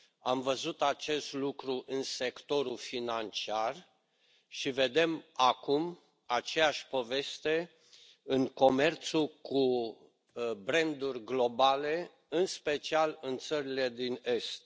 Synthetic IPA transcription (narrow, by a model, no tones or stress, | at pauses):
amvəzut̪at͡ʃe̞st̪lukɾuʔɨnse̞kt̪o̞ɾufinant͡ʃiar | ʃive̞d̪e̞makum | at͡ʃe̞jaʃʲpo̞ve̞st̪e̞ | ɨŋko̞me̞rt̪suku | bɾe̞nd̪urʲɡlo̞bale̞ | ɨnspe̞t͡ʃialɨnt̪səɾile̞d̪ine̞st̪̚